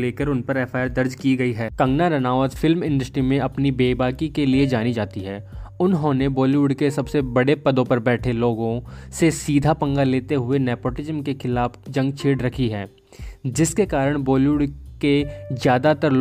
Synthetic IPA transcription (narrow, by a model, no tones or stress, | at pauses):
leːkəɾʊnpɐɾɛːfaːɾd̪ɐɾd͡ʒkiɡɐiɦɛːkɐ̃ŋɡnaɾɐnaːʋət̪fʰɪlmɪ̃nɳɖəsʈɾimẽʔɐpnibeːbaːkikelied͡ʒaːnid͡ʒaːt̪iɦɛːʊnɦõnebɔːljuːɖkesɐbsebɐɽepɐd̪õpɐɾbɛːʈʰeloːɡõsesiːd̪ʱapɐ̃ŋɡaleːt̪eɦʊenɛːpoːʈɪd͡ʒəmkexʰɪlaːfd͡ʒɐ̃ŋɡ̚t͡ʃʰeːɽɾɐkʰiɦɛ̰ː | d͡ʒɪskekaːɾəɽ̃bɔːljuːɖkezjaːd̪at̪əɾ